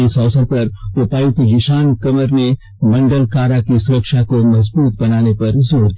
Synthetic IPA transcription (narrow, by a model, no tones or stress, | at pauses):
ɪsɔːsəɾpɐɾtopaːjũt̪ɦɪʃaːnkɐməɾne | mɐ̃ɳɖəlkaːɾakisʊɾəkʃakomɐzbuːt̪̚bɐnaːnepɐɾzoːɽd̪